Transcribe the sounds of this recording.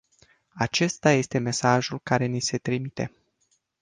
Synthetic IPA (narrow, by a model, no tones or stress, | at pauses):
at͡ʃe̞st̪aje̞st̪e̞me̞saʒulkaɾe̞nise̞t̪ɾimit̪e̞̰